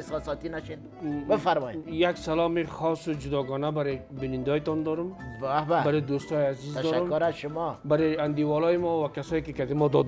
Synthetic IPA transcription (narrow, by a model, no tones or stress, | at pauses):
esɔsɔt̪inaʃen | bɪfaɾmɔjjaksalɔmiχɔsʊd͡ʒʊd̪ɔɡɔnabaɾebɪnɪnd̪ɔjt̪ɔnd̪ɔɾʊmahbabaɾed̪ost̪ɔjazizd̪ɔɾʊmɾazʃʊmɔbaɾeand̪iwɔlɔjimɔwakasɔjkɪkad̪emɔd̪ɔd̪